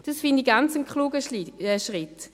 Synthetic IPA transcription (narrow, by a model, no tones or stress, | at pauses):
d̥ɑsfɪndiɡant͡səmkχluːɡəəʃʁɪt